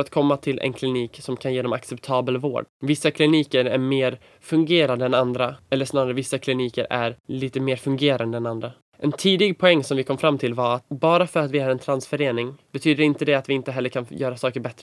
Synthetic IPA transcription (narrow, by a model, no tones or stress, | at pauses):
ɾat̪̚kʰɔmːat̪ʰɪlʔɛ̰nkʰlɪniːksɔmkʰanjeːd̪ɔma̰ksɛpt̪ʰɑːbəlvo̰ːɖvɪsːakʰlɪniːkəɾæɾmeːɾ | fɵŋɡeːɾand̪əɛnand̪ɾaɛlːəʂnɑːɾaɾəvɪsːakʰlɪniːkəɾæɾliːt̪əmeːɾfɵŋɡeːɾa̰nd̪əɛnand̪ɾa | ʔɛnt̪ʰiːd̪ɪɡ̚pʰɔɛŋːsɔmvɪkʰɔmːfɾamːt̪ʰɪlvaɾat̪bɑːɾafœɾat̪vɪhaɾɛnt̪ʰɾansfœɾeːnɪŋbɛt̪ʰyːd̪əɾɪnt̪əd̪ɛat̪vɪɪnt̪əɦɛlːəɾkʰanjœːɾasɑːkəɾbɛt̪ɾə